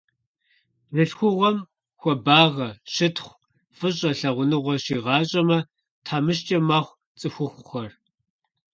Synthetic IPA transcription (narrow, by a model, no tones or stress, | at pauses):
rɨɬxʷʊʁʷɐm | xʷɔbaːʁɐʃɪtχʷ | fɨɕʼɐɬɐʁʷʊnɨʁʷɔɕiːʁɑːɕʼɐmɐ | tʰaːmɨʃt͡ʃʼɐmaːχʷ | t͡sʼɨxʷʊxʷʊχɐr